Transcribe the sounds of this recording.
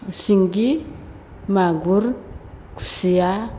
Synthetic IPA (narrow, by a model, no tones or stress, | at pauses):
siŋɡi | maɡuɾkʰu̥sija